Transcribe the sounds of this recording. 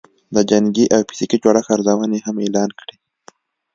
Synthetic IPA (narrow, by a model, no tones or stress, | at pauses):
d̪əd͡ʒaŋɡiʔawpi̥sikit͡ʃwɑɽaxaɾzawanehamelɑnkɽi